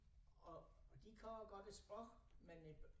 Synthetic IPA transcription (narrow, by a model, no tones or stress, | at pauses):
ɒd̥ikʰɒmɐɡ̥ɒ̽d̥esb̥ʁɔɡ̥men